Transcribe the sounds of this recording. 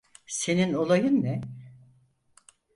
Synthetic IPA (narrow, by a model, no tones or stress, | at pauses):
se̞nino̞lˠajɯnːɛ